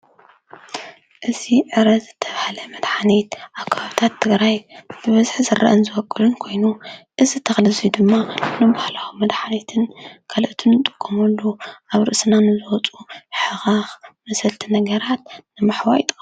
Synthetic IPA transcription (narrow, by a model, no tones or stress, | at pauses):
ʔɨziʕɨɾɐzɨt̪ʰːɐβahlɐmɐd̪ħanet̪ʔaβkʰːaβaβɨt̪ʰat̪ʰːɨɡɾajbɨβɐzħzɨra̰ʔɨnzɨwɔkʼːɨlunkʰo̞jnuʔɨzɨt̪ʰɐxlɨzijd̪ɨmːanɨbahlaxumːɐd̪ħanet̪ʰɨnkʰalʔt̪ʰɨnːɨt̪ʼɨ̥kʼːomɐlːuʔaβɾɨʔsɨnanɨzɨwɔt͡sʼuħɨxaxmɐsɐlt̪ʰinɐɡɐɾat̪̚nɨmaħwaʔjit̪ʼɨxʼ